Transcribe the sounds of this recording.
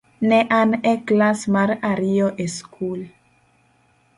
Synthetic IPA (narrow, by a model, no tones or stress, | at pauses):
neʔaneklasmaɾaɾioʔeskʰul